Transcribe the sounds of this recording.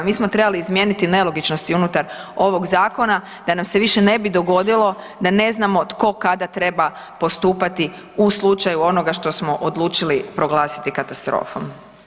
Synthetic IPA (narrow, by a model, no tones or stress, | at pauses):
miːsmot̪ɾe̞baliːzmje̞ːnit̪ine̞lo̞ɡit͡ʃnost̪iunut̪aɾo̞ʋo̞ɡzaːko̞na | d̪anamse̞ʋiʃe̞ne̞bid̪o̞ɡo̞d̪ilˠo̞ | d̪ane̞znamo̞t̪ko̞kad̪at̪ɾe̞ba | po̞st̪uːpat̪i | uslˠut͡ʃajuo̞no̞ɡaʃt̪o̞smo̞ʔod̪lˠuːt͡ʃilipɾo̞ɡlaːsi̥t̪ikat̪ast̪ɾo̰ːfo̰m